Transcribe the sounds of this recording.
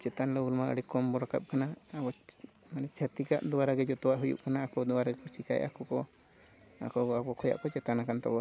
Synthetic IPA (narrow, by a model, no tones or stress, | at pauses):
t͡ʃɛt̪anlɔulmaʔə̰ɽikɔmbɔɾaka̰p̚kanaːbɔ | manɛt͡ʃʰat̪ika̰ʔd̪ɔwaɾaɡɛd͡ʒɔt̪ɔwaʔɦujṵʔkanaːkɔd̪ɔaɾaɡɛkɔt͡ʃika̰jʔa̰kɔkɔ | a̰kɔakɔkʰɔja̰ʔkɔt͡ʃɛt̪anakant̪ɔ̰bɔ